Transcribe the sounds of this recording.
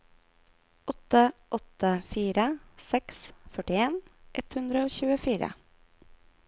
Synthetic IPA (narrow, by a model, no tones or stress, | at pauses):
ɔt̪əʔɔt̪əfiːɾəsɛksfœʈɪeːnʔɛt̪hʉnd̪ɾəoːçʉːəfiːɾə̰